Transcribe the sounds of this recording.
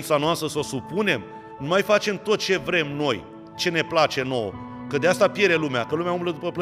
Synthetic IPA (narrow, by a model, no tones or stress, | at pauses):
t̪sanoast̪ɾəso̞supune̞m | numajfat͡ʃe̞mt̪o̞t̪̚t͡ʃe̞vɾe̞mno̞j | t͡ʃe̞ne̞plat͡ʃe̞no̞̰w̰ | kəd̪east̪apje̞ɾe̞lumeakəlumeaumbləd̪upəplə